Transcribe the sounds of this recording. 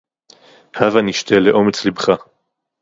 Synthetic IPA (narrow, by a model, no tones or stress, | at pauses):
havaniʃt̪ʰeleʔo̞met͡slibχa